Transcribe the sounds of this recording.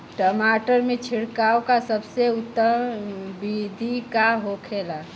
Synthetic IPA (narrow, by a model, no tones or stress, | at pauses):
ʈəmaʈəɾmet͡ʃʰiɽkawkasəbseut̪ːəbid̪ʱikaɦokʰela